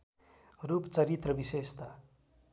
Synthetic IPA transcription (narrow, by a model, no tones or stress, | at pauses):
rupt͡sʌɾit̪rʌbisest̪a